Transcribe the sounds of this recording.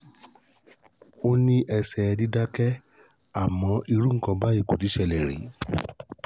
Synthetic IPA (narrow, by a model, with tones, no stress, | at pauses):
o˦nĩ˧ʔɛ˧sɛ˨˧di˦da˦kɛ˦ | a˦˨mɔ̃˨˦ʔi˧ɾu˦ŋ̩˦˨kɔ̃˧ba˦i˦˨ko˨ti˨˦ʃɛ˧˨lɛ˨ɾḭ˨˦